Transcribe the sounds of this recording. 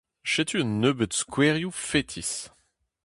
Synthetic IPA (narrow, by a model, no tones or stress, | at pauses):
ʃet̪ʰyənːøbət̪skʰwɛʁjufɛt̪ʰis